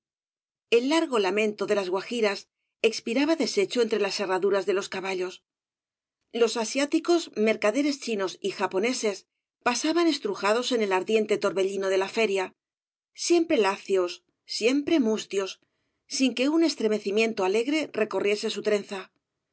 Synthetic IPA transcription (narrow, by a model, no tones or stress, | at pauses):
e̞lːaɾɣo̞lamẽ̞nt̪o̞ðe̞lazɣwaxiɾas | e̞kspiɾaβaðe̞se̞t͡ʃoe̞nt̪ɾe̞lase̞raðuɾazðe̞lo̞skaβaʎo̞s | lo̞sasjat̪iko̞zme̞ɾkaðe̞ɾe̞st͡ʃino̞sixapo̞ne̞se̞s | pasaβane̞st̪ɾuxaðo̞se̞ne̞laɾðje̞nt̪e̞t̪o̞ɾβe̞ʎino̞ð̞e̞lafe̞ɾja | sje̞mpɾe̞laθjo̞sː | je̞mpɾe̞must̪jo̞sː | iŋke̞une̞st̪ɾeme̞θimjẽ̞nt̪o̞ale̞ɣɾe̞re̞ko̞rje̞se̞s̬ut̪ɾe̞nθa